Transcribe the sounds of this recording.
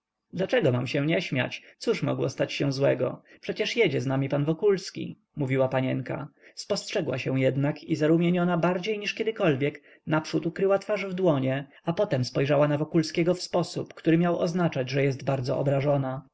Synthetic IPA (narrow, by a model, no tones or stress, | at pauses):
d̪lat͡ʂɛɡɔmamɕɛ̃ɲɛɕmʲja̰t͡ɕ̪suʂmɔ̰ɡwɔ̰st̪at͡ɕɕɛ̃zwɛɡɔ̰pʂɛt͡ɕɛʂjɛd͡ʑɛznamʲipanvɔkulskʲḭ | muvʲiwapaɲɛ̰ŋka̰spɔstʂɛɡwa̰ɕɛw̃jɛd̪nakʰizaɾumʲjeɲɔnabaɾd͡ʑejɲiʂkʲɛd̪ɘkɔlvʲjɛk | napʂut̪ukɾɘwat̪faʐvd̪wɔɲɛ | apɔt̪ɛmspɔjʐawanavɔkulskʲɛɡɔfspɔsupkt̪uɾɘmʲjawɔ̰znat͡ʂad͡ʑʐɛjɛsd̪baɾd̪zɔ̰ʔɔ̰bɾaʐɔna